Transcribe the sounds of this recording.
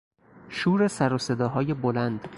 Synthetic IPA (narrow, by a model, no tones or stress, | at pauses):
ʃuːɾesæɾose̞d̪ɒːɦɒːje̞bolænd̪̥